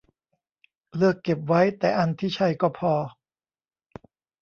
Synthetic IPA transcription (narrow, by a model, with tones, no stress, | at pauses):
lɯ˥˩əkːe˨˩p̚wa˦˥jt̪ɛː˨˩ʔa˧nt̪ʰiː˥˩t͡ɕʰa˥˩jkɔː˥˩pʰɔː˧